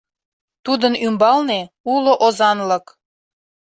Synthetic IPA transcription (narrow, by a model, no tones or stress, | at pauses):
t̪ud̪ənymbɑlne | uloʔozɑnlək